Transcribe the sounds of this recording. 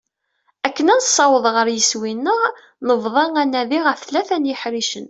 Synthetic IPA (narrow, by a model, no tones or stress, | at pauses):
ækːənænsˤːɑwəðˤʁəɾjəswinːəʁ | nəvðˤɑŋænːæðiʁəfθlæθænjəħɾiʃən